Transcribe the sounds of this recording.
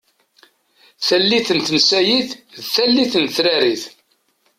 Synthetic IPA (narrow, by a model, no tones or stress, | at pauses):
θælːiθənt̪nsæjiθðθælːiθənθɾæɾiθ